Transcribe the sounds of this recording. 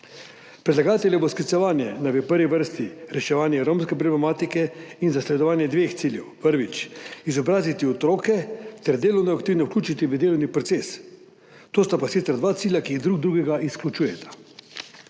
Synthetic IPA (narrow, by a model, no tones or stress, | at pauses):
pɾɛd̪laɡaːt̪ɛljɛbosklit̪sɛʋaːnjɛnaʋəpəɾʋiʋəɾst̪iɾɛʃɛʋaːnjɛɾomskɛp̬ɾɔblɛmaːt̪ikɛinzaslɛd̪ɔʋaːnjɛd̪ʋeːxt̪siːljɛwpəɾʋit͡ʃizɔbɾaːzit̪iɔt̪ɾoːkɛt̪ɛɾd̪eːlɔwnɔakt̪iwnɛuklʲuːt͡ʃit̪iʋəd̪eːlɔwnipɾɔt̪ses | t̪oːst̪apasit̪səɾd̪ʋaːt̪siːlʲjakiːiɣd̪ɾuɡd̪ɾuːɡɛɡaʔisklut͡ʃuːjɛt̪ʰḁ